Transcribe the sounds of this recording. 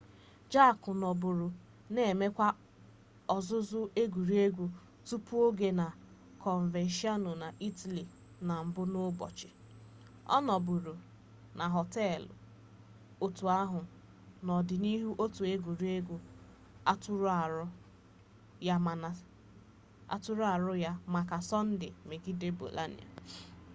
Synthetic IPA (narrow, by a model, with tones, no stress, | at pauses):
d͡ʒa˦˨kʊ˨nɔ˨bʊ˨ɾʊ˨ | ne˨e˨me˦kʷa˦ | ɔ˨zʊ˦zʊ˦e˦ɡʷu˨ɾi˦e˦ɡʷu˨ | tu˦pu˦o˦ɡe˦na˨ | kɔ˨ɱ˨ve˨nʃi˦ɔ˦nʊ˨na˨ʔi˦ta˨li˨ | na˨m̩˨bʊ˦nʊ˦bɔ̰˨t͡ʃɪ˨ | ɔ̰˦nɔ˨bʊ˨ɾu˨ | nʔa˨ɦɔ˨tɛ˦l | o˦tu˨a˦ɦʊ˨ | nɔ˨dɪ˨ni˦ɦu˦ʔo˦tu˨e˦ɡʷu˨ɾi˦e˦ɡʷu˦ | a˦tɾa˨ɾʊ˦ | ja˦m˨n˨ | a̰˦tʊ˦ɾʊ˦a˨ɾʊ˦ja˦ma˨ka˨sɔ˦n̩˦dɪ̰˨me˨ɡɪ˦de˦bo̰˨lʔa̰˦nḭ˨a̰˨